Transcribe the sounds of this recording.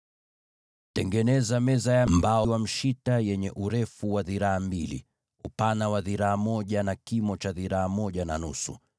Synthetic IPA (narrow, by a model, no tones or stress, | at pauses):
tɛŋɡɛnɛzamɛzajambaɔwam̩ʃitajɛɲɛʔuɾɛfuwaðiɾaambilḭ | upanawaðiɾaːmɔʄanakimɔt͡ʃaðiɾaamɔʄana̰nṵsṵ